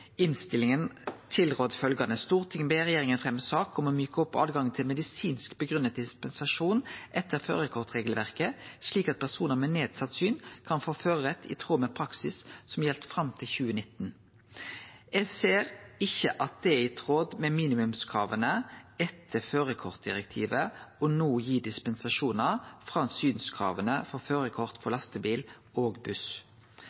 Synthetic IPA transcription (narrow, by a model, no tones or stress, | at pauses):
ɪnst̪ɪlɪŋənt̪ʰɪlʁoːd̪fœlɡɑnəst̪uːʁt̪ʰɪŋbeʁɛjeːʁɪŋənfʁɛmːəsɑːkɔmɔmyːkəɔpːɑ̰ːd̪ɡɑŋt̪ʰɪlmɛd̪ɪsiːnskbəɡʁʉnːət̪̚d̪ɪspɛnsɑʂuːnʔɛt̪ʰːəʁfø̰ːʁɛkʰɔʁt̪ʁeːɡəlʋæʁkəsɭiːkɑt̪̚pʰæʁsuːnəʁmeːneːd̪sɑt̪syːnkʰɑnfoːføːʁəʁɛt̪ʰːɪ̰t̪ʰʁoːmɛpʰɾɑksɪssɔmjɛlt̪fʁɑmt̪ʰɪlçʉːənɪt̪ːn̩ | ɛɡseːʁɪçəʔɑt̪̚d̪ɛɛɪt̪ʰʁoːd̪mɛmiːnɪmʉmskʰʁɑːʋənəɛt̪ʰːəføːʁəkʰɔʁt̪̚d̪ɪʁɛk̚t̪ʰḭːʋəɔnoːjiːd̪ɪspɛnsɑʂuːnəʁfɾɑːnsyːnskʰʁɑ̰ːʋənəfɔʁføːʁəkʰɔʁt̪fɔʁlɑst̪əbiːl | oːɡbʉs